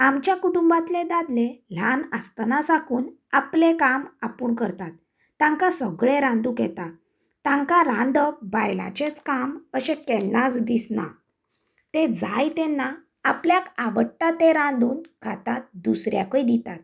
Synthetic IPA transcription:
amt͡ɕjakuʈumbat̪led̪ad̪lel̤anast̪nasakuːn | aplekamapuːɳkəɾt̪at̪ː | ãŋkasəɡɭẽɾãnd̪ukɛ̰t̪a | t̪ãŋkaɾãnd̪əbajla̰t͡ɕet͡skaməɕẽkɛlːat͡sd̪isna̰ | t̪ed͡zajt̪ɛnːaː | pljakaʋəʈːat̪eɾãnd̪uːnkʰat̪at̪̚d̪usɾjakəjd̪it̪at̪̚

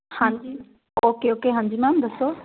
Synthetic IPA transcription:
hãi | oːkeoːkeɦãːɲd͡ʑimãnd̪ɐso

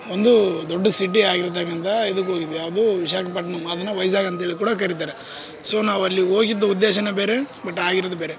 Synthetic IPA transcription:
ond̪ud̪oɖːɐsiʈ̬ːiaːɡiɾt̪̬ːakːɐnt̪ɐed̪ɐk̬ːɦo̞ːɡid̪ujaːʋɐd̪uʋiʃaːkʰɐpɐʈːɐnɐmːɐd̪ɐnːɐʋɐjɐs̬aːɡɐnt̪ɦeɭik̬uːɽɐk̬ɐɾit̪̬aːɾe | so̞ːnaːʋɐlːio̞ːɡid̪ːɐud̪ːeːʃɐnɐbe̞ːɾebɐʈːaːɡiɾod̪ubeːɾe

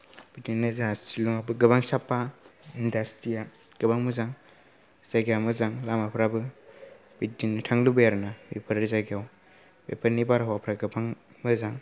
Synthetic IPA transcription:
b̥itinnazaasiluŋabɯɡɐbaŋsapːaindastija | ɡ̥ɐbaŋmɯzaŋ | z̥aɡijawmɯzaŋlamapʰɾabɯ | bitːintʰaŋlubɐjaɾnabepʰɐɾɾɯzaɡjaw | bepʰaɾnibaɾɦwapʰɾaɡɐbaŋ | mɯzaŋ

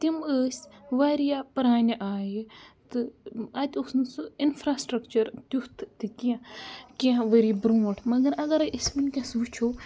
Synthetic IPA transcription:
t̪iməːsʲʋaːɾijapɐɾaːnʲɐʔaːjit̪ɨɐt̪ʲusnsɨinfɾaːsʈɾɐkt͡ʃɐɾt̪jut̪ʰt̪it̪ʲijãkiãʋəɾibɾuːʈʰmɐɡɐɾɐɡɐɾismɐnʲkʲɐsʋut͡ʃʰoː

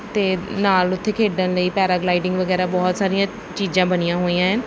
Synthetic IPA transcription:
t̪eːnaːlʊt̪ʰːeːkʰeːɖənləiːpɛːɾaːɡlaːiɖɪŋɡʋəɡɛːɾaːbɔːt̪saːɾɪjãː | t͡ʃiːd͡ʒãːbənɪjãːɦoːijãːɦɛ̃ː

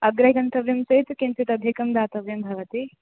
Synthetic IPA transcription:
ɐɡɾɐɦikɐnt̪ɐʋjɐmsɐt̪kint̪it̪ɐd̪ʱekɐmd̪aːt̪ɐʋjɐmbʱɐʋɐt̪i

